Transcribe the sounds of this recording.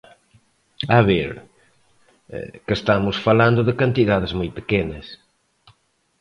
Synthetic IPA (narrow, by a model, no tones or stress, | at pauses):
aβeɾ | kest̪amʊsfalãnd̪ʊðɪkant̪iðaðɪzmojt̪pe̥kenɐs